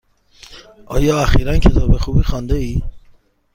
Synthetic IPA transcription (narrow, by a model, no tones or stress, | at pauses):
ʔɒːjɒːæxiːɾæncʰet̪ʰɒːbexuːbiːxɒːnd̪eiː